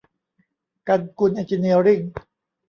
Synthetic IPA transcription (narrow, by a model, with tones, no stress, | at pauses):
ka˧nku˧nʔe˧nt͡ɕi˧ni˧ɾi˥˩ŋ